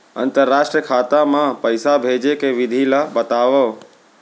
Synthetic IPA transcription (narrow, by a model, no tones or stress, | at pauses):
ə̰̃nt̪əɾːaːʃʈɾiəkʰaːt̪amãpəjsabʱed͡ʒekeʋɪd̪ʱilabət̪aːʋə